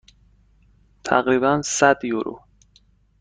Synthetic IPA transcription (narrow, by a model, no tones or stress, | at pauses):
t̪ʰæ̰ɣɾibænsæd̪juɾṵ